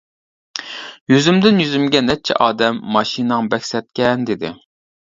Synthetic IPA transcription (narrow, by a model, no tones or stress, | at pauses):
jøzymd̪ɪnjyzymɡʲɛnɛt͡ʃʰɛ̰ʔɑːd̪ɛmːɑʃinɨŋbɛkʲsɛt̪̚kʲɛnd̪ɪd̪ɪ̰